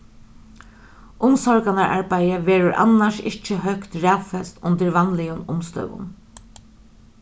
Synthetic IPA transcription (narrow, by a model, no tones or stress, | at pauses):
ʔʊmsɔɹkanaɹʔa̰ɹbajəʋeːɾʊɹʔa̰nːaʃɪht͡ʃəɦœkt̪ɹæːwfɛst̪ʊ̰nt̪əɹʋanlɪjʊnʊmst̪œ̰ʋʊ̰n